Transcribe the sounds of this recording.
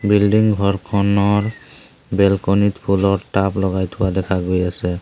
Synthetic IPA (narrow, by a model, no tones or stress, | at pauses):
bilɖiŋɡʱɔɹkʰɔnɔɹ | bɛlkɔnit̪pʰulɔɹʈaplɔɡajt̪ʰʊwad̪ɛkʰaɡojasɛ